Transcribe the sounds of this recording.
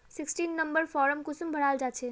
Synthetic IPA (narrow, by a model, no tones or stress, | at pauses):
sɪksʈiːnːɐ̃mbəɾfɔːɾəmkʊsmbʱəɽaːld͡ʒaːt͡ʃʰe